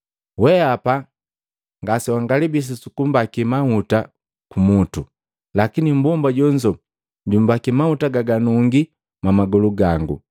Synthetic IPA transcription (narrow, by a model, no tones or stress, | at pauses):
wɛapa | ŋɡasiwaŋɡalibis̬isukumbakimahuta | kumutu | lakinim̩bɔmbaɟɔɲd͡ʒɔ | dumbakimautaɡaɡanuŋɡi | mamaɡɔluɡaŋɡṵ